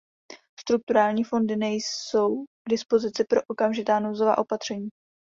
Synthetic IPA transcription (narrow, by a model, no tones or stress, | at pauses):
st̪ɾuk̚t̪uɾaːlɲiːfo̞ndɪnɛjso̞wɡ̥dɪspo̞zɪt͡sɪpɾo̞ʔokamʒɪt̪aːnowzova̰ːʔo̞pat̪r̝̥ɛɲiː